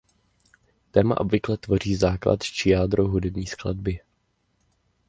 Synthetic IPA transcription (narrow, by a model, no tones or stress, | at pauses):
t̪ɛːma̰ʔo̞bvɪklɛt̪vo̞riːzaːkla̰t̪t͡ʃɪjaːd̪ɾoɦudɛbɲiːskladbɪ